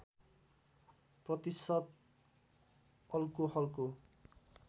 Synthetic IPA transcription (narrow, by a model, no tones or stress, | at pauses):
prʌt̪isʌt̪̚ | ʌlkohʌlko